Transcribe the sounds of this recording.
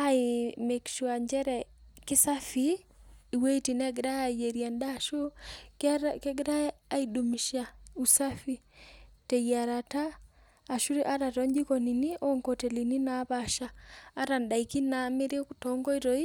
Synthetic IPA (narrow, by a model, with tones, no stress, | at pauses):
a˦ɪ˨me˨kʃu˨a˨ɲd͡ʒɛ˦ɾɛ | kɪ˦sa˦fiː˦˨we˦i˦ti˨nɛ˦ɡɪ˨ɾa˦a˨je˨ɾja˨nda˦˨ʃo˦kkɛ˦ɡɪ˦ɾaː˦i˨du˨mi˨ʃa˨u˨sa˦fi˦ | te˨ja˨ɾa˨taː˦˨ | ʃu˦ɾi˦ʔa˦ɾa˨tɔ˦ɲd͡ʒi˦ko˨ni˨ni˦ɔ˦ŋko˨te˨li˨ni˦na˨˦βa˨ʃaː˦ɾa˨nda˨i˨ki˦na˨mɪ˦ɾɪ˦ku˨tɔ˨ŋɡɔ˦i˦ɾo˦i˦